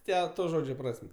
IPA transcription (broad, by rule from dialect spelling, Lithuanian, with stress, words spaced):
ˈtʲɛ ˈtoː ˈʒoːd͡ʒʲoː ˈprɐsʲmʲ